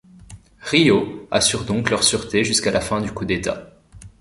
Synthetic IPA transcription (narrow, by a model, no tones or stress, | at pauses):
ʁioasyʁd̪ɔ̃klœʁsyʁt̪eʒyskalafɛ̃d̪ykud̪et̪a̰